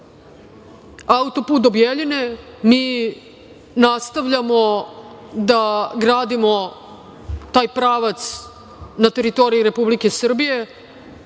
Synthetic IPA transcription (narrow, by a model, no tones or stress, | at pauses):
aut̪o̞puːt̪d̪objeʎinemiː | nast̪aʋʎamo | d̪aɡɾaːd̪imo̞ | t̪aːjpɾaːʋat̪s | nat̪e̞ɾit̪o̞ɾijiɾe̞publike̞sr̩bije̞